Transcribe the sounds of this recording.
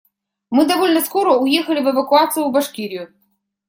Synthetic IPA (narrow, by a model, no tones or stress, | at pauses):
mɨd̪ɐvolʲnɐskoɾəʊjexɐlʲɪvɛvɐkʊat̪sɨjʊbɐʂkʲiɾʲɪjʊ